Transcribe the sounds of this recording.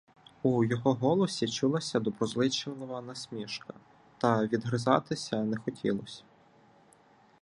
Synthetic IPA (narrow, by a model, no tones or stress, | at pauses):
ujɔɦɔɦɔlˠɔsʲit͡ʃulˠɐsʲɐd̪ɔbɾɔzlˠɪt͡ʃelˠɔʋɐnɐsʲmʲiʃkɐ̥ | t̪ɐʋʲid̪ɦɾɪzɑ̰t̪ɪsʲɐnɛxɔtʲʰḭlˠɔsʲɐ̥